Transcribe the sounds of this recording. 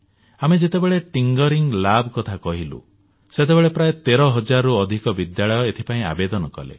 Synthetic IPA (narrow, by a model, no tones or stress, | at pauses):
amed͡ʒet̪ebeɭeʈiŋɡɔɾiŋlabkɔt̪ʰakɔɦilṵ | set̪ebeɭepɾajet̪eɾɔɦɔd͡ʒaɾɔuɔd̪ʱikɔbid̪jaɭɔjɔet̪ʰipaĩa̰bed̪ɔnɔkɔ̰lḛ